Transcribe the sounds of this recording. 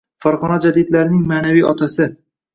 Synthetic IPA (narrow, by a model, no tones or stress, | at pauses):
faɾʁɒnad͡ʒad̪ɪd̪laɾɪnɪŋmaːnavijɒt̪ʰasɪ